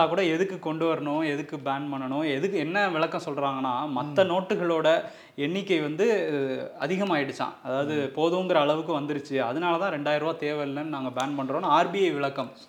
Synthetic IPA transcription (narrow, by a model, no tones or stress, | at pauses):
aːkuːɽɐɛðɯkːɯkɔɳɖɯʋɐɾɐɳʊ̃ɛðɯkːɯbaːnpɐɳːɐɳʊ̃ɛðɯkːɯɛnːɐʋɪɭɐkːɐ̃sɔlɾaːŋɡɐnːaːmɐt̪ːɐnoːʈːɯɣɐɭoːɽɐ | ɛɳːɪkːɐɪʋɐnd̪ɯ | ɐðɪɣɐmaːɪɽɯt͡ʃːã̰ːɐðaːʋɐðɯpoːðɯŋɡɐɾɐːɭɐʋɯk̬ːɯʋɐnd̪ɪɾɯt͡ʃːɯɐðɐnaːlɐt̪ãːɾɛɳɖaːjɪɾɯʋaːt̪eːʋɐllɐnnaːŋɡɐbaːnpɐɳːɾõːnaaːɾbiɐɪʋɪɭɐkːɐm